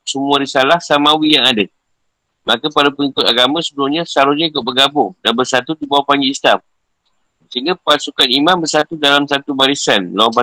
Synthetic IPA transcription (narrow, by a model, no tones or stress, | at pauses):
səmuãɾisalahsamawijaŋada | makapaɾapəŋikʊt̪aɡamãsəbəɾʊhɲãsaɾuɲaikoʔ̚bəɡabʊŋdanbərsat̪ut̪ubawapaŋɡiːslam | səɦiŋɡapasukanimãmbərsat̪udalamsat̪ubaɾisanlpa